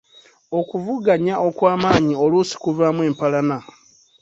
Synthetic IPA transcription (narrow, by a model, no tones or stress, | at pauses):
o̞kuvuɡaɲaʔo̞kwaːmaːɲio̞lusi̥kuvaːmweːmpalana